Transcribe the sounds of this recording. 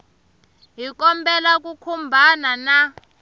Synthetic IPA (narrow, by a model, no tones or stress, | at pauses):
ɦikɔmbɛlak̬ʼukʰumbʱanana